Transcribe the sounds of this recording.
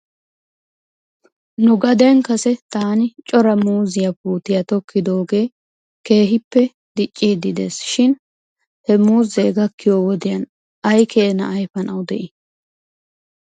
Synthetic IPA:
nʊɡɐd̪ɛŋkɐsɛt̪aːnɪt͡ʃʼɔɾɐmuːzɪjɐpuːt̪ɪjɐt̪ɔkːɪd̪o̞ːɡe̞ː | ke̞ːɦɪpːɛ | d̪̥ɪt͡ʃʼːiːd̪ɪd̪e̞̰ːsʃɪn | hɛmuːzeːɡɐkːɪjoːwɔd̪ɪjɐn | ɐjkʰeːnɐʔːjfɐnɐwd̪ɛʔɪ

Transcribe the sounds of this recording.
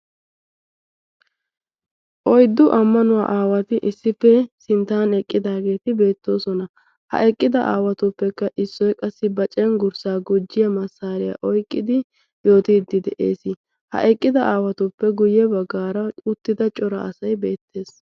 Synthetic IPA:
ʔɔjd̪ːʊʔɐmːɐnʊwa̰ːʔaːwɐt̪ɪʔɪsːɪfːɛsɪnt̪ːaːnɛkʼːɪd̪aːɡe̞ːt̪ɪbe̞ːt̪ːo̞ːsɔnɐ | hɐ̰ʔɛkʼːɪd̪ɐʔa̰ːwɐt̪ʊpːɛkːɐʔɪsːɔjkʼɐsːɪbɐt͡ʃʼɛnɡʊɾsaːɡʊd͡ʒːɪjɐmɐsːaːɾɪjɐ̰ʔɔjkʼːɪd̪ɪ | jo̞ːt̪iːd̪ːɪd̪ɛʔḛːsɪ | hɐ̰ʔɛkʼːɪd̪ɐʔaːwɐt̪ʊpːɛɡʊjɛbɐɡːaːɾɐʊt̪ːɪd̪ɐt͡ʃʼɔɾɐːsɐjbe̞ːt̪ːe̞ːs

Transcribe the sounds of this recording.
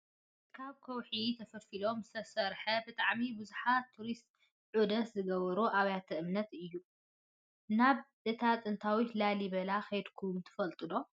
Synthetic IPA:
kʰaβkʰɐwħit̪ʰɐfɐfilo̞msɐsɐɾħɐbɨt̪ʼaʕmibɨzuħat̪ʰːuɾist̪ʼ | ʕud̪ɐszɨɡɐβɐɾuʔaβjat̪ʰɐʔɨmnɐt̪ɨjːu | naβ | ɨt̪ʰat̪ʼɨnt̪ʰawit̪lalibɐlaxɐjd̪kʰumt̪ʰɨ̥fɐlt̪ʼɨd̪o̞

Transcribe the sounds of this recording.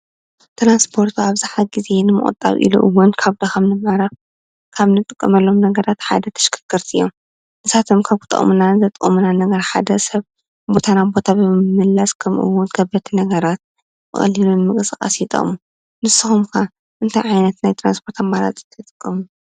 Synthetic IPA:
t̪ɾanspʰo̞ɾt̪ʰuaβzɨħaɡize̞nɨmɨ̰ʔʼɨ̰t̪ʼːa̰βʔḭlṵʔɨ̰wːʊnkʰaβd̪ɐxɐmnɨmʕɾaf | kʰaβnɨt̪ʼɨkʼːɐmɐlːo̞mnɐɡɐɾat̪ħa̰d̪ɐt̪ʰɐ̥ʃkʰɨ̥kʰːɨɾt̪ʰijːom | nɨsat̪ʰomkʰaβkɨ̥t̪ʼɐ̰munanɨzʰɐt̪ʼɨkʼmunanɐɡɐɾħad̪ɐsɐβ | bo̞t̪ʰanabo̞t̪ʰabɨɨmɨmɨlːaskʰɐmʔɨ̰wːʊnkʰɐbɐt̪ʰinɐɡɐɾat̪̚ | bɨ̰xʼɐ̰lːilunmɨkʼsʼɨkʼa̰sjɪt̪ʼɐ̰ʔʼmu | nɨsːɨxumkʰa | ʔɨnt̪ʰajʕajnɐt̪najt̪ʰɾanspʰo̞ɾt̪ʰamːala̰t̪ʼɨ̥t̪ʰɐt̪ʼɨkʼːɐmu

